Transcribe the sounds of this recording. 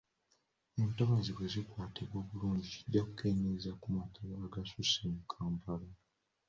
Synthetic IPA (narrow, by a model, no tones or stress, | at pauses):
eːntaβaziwezikwaːteβo̞ːβuluːɲɟiciɟakukʰe̞ːɲezakumatʰaβoaɡasusemukʰaːmpala